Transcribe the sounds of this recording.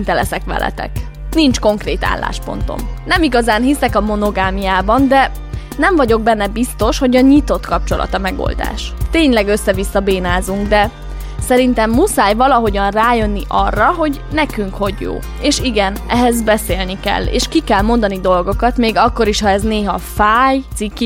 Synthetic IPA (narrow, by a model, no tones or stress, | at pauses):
nt̪ɛlɛsɛkʋɛ̰lɛ̰t̪ɛ̰k | nint͡ʃko̞ŋkreːt̪a̰ːlːa̰ːʃpo̞̰nt̪o̰mnɛmiɡɒzaːnɦisɛkɒmo̞no̞ɡaːmijaːbɒnd̪ɛ | nɛɱvɒɟo̞ɡ̚bɛnːɛbist̪o̞ʃho̞ɟɒɲit̪o̞t̪kɒp̚t͡ʃo̞lɒ̰t̪ɒmɛɡo̰ld̪a̰ːʃt̪eːɲlɛɡø̞sːɛvisːɒbeːnaːzuŋɡd̪ɛ | sɛɾint̪ɛmːusaːjvɒlɒɦo̞ɟɒnraːjø̞nːiʔɒrːɒɦo̞ɟ | nɛkyŋkho̞ɟjo̰ː | eːʃiɡɛnɛɦɛzbɛseːlnikɛ̰lːḛːʃkikɛlmo̞nd̪ɒnid̪o̞lɡo̞kɒt̪meːɡɒkːo̞ɾiʃhɒɛzneːɦɒfaːjt̪sikːi